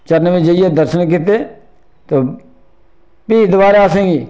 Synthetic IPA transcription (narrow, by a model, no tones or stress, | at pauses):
t͡ʃəɾnʋẽːd͡ʒəɪjed̪əɾʃənk̬ɪt̪̬eː | t̪oː | piːd̪ʊbaːɾaːsẽːɡiː